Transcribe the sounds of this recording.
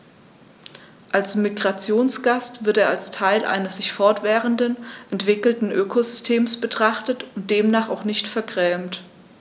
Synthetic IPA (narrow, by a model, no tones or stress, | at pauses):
ʔalsmiɡʁat͡sjoːnsɡ̥astv̥ɪɐteːɐalstʰaɪlʔa̰ɪnəsz̥ɪçfɔɐtv̥ɛːʁəndənʔɛntv̥ɪkl̩tn̩ʔøːkʰozʏstʰeːmsb̥ətʁ̥aχtətʊnt̚d̥eːmnaːχaʊxnɪçtfɛɐɡʁɛːmt